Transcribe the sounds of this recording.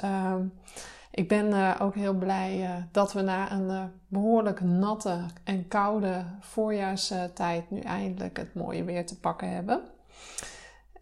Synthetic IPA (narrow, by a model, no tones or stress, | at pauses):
ʔɪɡ̚bɪnʔowkɦɪəlˠblɛjdɔtʋənaːʔənbəɦoːɹləknɔtʰəɛnkawdəfoːɹjaːɹstɛjtny̰ʔɛ̰jəndələ̰kə̰tmo̰ːjə̰ʋɪəɹtəpɑkəɦɛ̰bən